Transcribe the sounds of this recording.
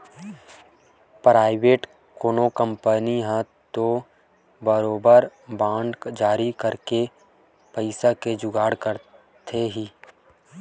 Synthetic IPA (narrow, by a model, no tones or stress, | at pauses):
pɾaːɪʋeːʈ | koːnokə̃mpəniɦɛ̃ | t̪o | bəɾoːbəɾbãːɳɖkd͡ʒaːɾikəɾke | pəɪsaked͡ʒʊɡaːɽkəɾ | t̪ʰeɦiː